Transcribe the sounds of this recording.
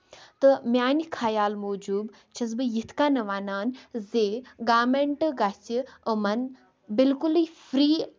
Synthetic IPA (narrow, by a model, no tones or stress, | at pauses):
t̪ɨmjaːnikʰaːjaːlmoːd͡ʒuːb | t͡ʃʰɐs̬bɨjit̪ʰkaːnɐʋaːnaːnzeːɡaːmeɳʈɡat͡ʃiəmɐn | bilkuliːfɾiː